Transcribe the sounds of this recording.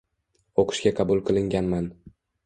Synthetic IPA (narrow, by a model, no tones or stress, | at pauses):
oqʰɨ̥ʃɡʲaqʰɑbʊlˠqʰɨlˠɪŋɡʲanman